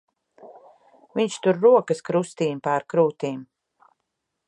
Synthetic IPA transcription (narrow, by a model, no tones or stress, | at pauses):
viɲʃt̪uɾːuɔkɐskɾust̪iːmpaɾkɾuːt̪iːm